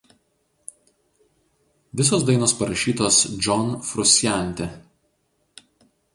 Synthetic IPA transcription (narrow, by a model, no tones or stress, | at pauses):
ʋʲɪsoːsd̪ɐɪnoːspɐɾɐʃʲiːt̪oːsd͡ʒʲɔnfɾʊsʲjæˑnʲt̪ʲɛ